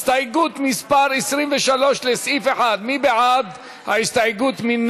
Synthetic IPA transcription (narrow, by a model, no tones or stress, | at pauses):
st̪aɡut̪mispaʁesʁimveʃalo̞ʃlesifeħad̪mibeʕad̪ | ha̰ist̪aɡut̪min